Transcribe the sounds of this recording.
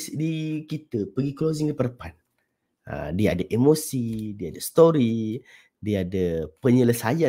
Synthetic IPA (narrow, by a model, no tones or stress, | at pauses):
sdikit̪əpəɡiklozɪŋdipərpan | ə̰diaadəʔemosidiaadəst̪oɾi | diaadəpəɲələsaja